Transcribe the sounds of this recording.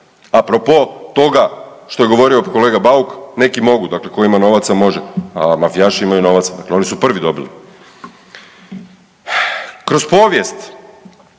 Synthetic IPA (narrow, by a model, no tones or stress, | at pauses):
apɾopo̞t̪o̞ɡa | ʃt̪oe̞ɡo̞ʋo̞ɾio̞ko̞le̞ːɡabaukne̞kimo̞ɡud̪akle̞ko̞imano̞ʋat̪samo̞ʒeamafijaʃiimajuno̞ʋat̪sad̪akleo̞nisupr̩ʋid̪o̞bili | kɾo̞spo̞ːʋjest̪